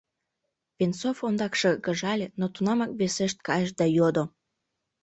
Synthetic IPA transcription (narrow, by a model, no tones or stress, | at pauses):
βensofond̪ɑkʃekəʒɑlʲenot̪unɑmɑk̚βeseʃt̪̚kɑjəʃd̪ɑjod̪o